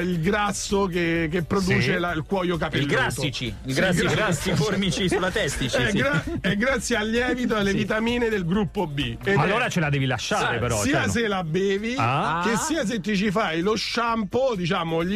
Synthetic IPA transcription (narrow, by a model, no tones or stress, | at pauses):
ilɡɾasːokekepːɾod̪uːt͡ʃelailkwɔjok̬apeilːɡɾasːit͡ʃiiɡɾasɡiɾasifoɾmit͡ʃisulat̪ɛst̪it͡ʃiɛɡɾaɛɡːɾat̪sːjealːjɛːvit̪̬oalːevit̪amiːned̪elɡɾupːobi | emonat͡ʃelad̪ɛːvilaʃːaːɾepeɾɔsiːas̬elabɛːviak̟esːiːas̬et̪ːut͡ʃifajloʃampod̪it͡ʃaːmoʎ